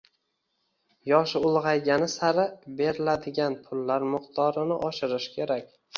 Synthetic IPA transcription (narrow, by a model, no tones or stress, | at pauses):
jɒʃɪʊlˠʁɑjɡʲanɪsaɾɪbe̞ɾɪlad̪ɪɡʲanpʰʊlːaɾmʊqt̪ʰɒɾɪnɪʔɒʃɪɾɪʃkʲʰe̞ɾakʲ